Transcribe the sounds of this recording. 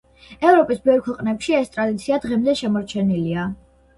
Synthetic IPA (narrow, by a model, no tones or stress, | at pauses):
ɛvɾɔpʼisbɛvɾkʰwɛqʼnɛpʃiɛst̪ʼɾad̪it̪sʰiad̪ʁɛmd̪ɛʃɛmɔɾt͡ʃʰɛnilia